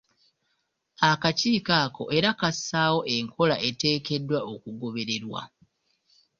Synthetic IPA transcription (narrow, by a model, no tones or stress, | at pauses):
akaciːkaːko̞̰ʔe̞ɾakasaːwo̞ʔe̞ŋkʰo̞laʔe̞te̞ːke̞dːwaokuɡo̞βe̞ɾe̞ɾwa̰